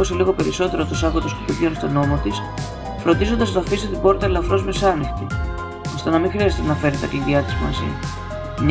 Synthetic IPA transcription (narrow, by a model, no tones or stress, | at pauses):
oseliɣo̞pe̞ɾiso̞t̪e̞ɾost̪usɐɣot̪oscet̪openst̪o̞no̞mot̪is | fɾo̞nd̪izond̪ɐznɐːfist̪et̪ibo̞ɾt̪ɐlɐfɾo̞zmisɐnixt̪i | ost̪ɐnɐmĩxɾiɐzet̪enɐfe̞ɾet̪ɐt̪iðiɐt̪izmɐ̰zḭ | ɲ